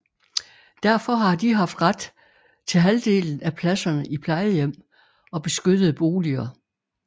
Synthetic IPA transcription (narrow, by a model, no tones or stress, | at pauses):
d̥æɐ̰fɒ̽ɦɑ̈d̥iɦɑ̈fd̥ʁad̥ | t͡sʰe̝lɦæld̥e̝̰ːln̩æpʰlæsɐnəʔipʰlɑ̈ɪəjem̰ | ɒ̽b̥e̝sɡ̥ød̥ð̩ˠb̥o̝ːliɐ